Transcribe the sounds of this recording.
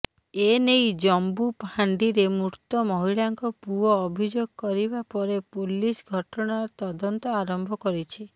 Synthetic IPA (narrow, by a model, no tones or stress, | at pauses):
enejd͡ʒɔmbupaɳɖiɾemuɾt̪ɔmɔɦiɭaŋkɔpuɔːbʱid͡ʒoɡɔkɔɾibapɔɾepolisɡʱɔʈɔɽ̃aɾɔt̪ɔd̪ɔnt̪ɔaɾɔmbʱɔkɔɾit͡ʃʰi